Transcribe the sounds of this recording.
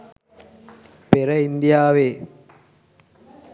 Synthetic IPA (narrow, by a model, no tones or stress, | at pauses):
peɾəind̪ijaːʋeː